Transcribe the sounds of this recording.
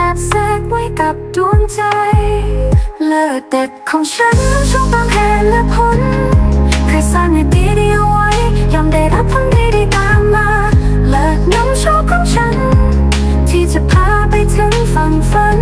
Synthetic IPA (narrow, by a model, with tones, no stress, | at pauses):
aː˨˩t̚sɛ˧˥k̚wa˧˥jka˨˩p̚du˧ənt͡ɕa˧jj | lɤː˧˩de˨˩t̚kʰɔː˨˦ŋt͡ɕʰa˧˥nːɔ˧˥ŋt͡ɕʰɔ˧˥k̪taː˧mɦɛː˨˧˩lɛ˧˥kʰo˧˥n | kʰɯː˧saː˧˥nna˧˩t̪iː˧ɾi˧əwwːa˦˥jjɔ˧˩mda˧˩jɾa˦˥p̚kʰaː˧ndiː˧da˧jt̪aː˧˥mːaː˧˥ | ləː˧˩ | nɔ˧˥ŋt͡ɕʰo˧˥kʰɔː˧˥ŋt͡ɕʰa˧˥n | t̪ʰiː˧˩t͡ɕa˨˩pʰaː˧pa˧jt̪ʰɯ˧˥ŋfa˨ŋfa˧˥n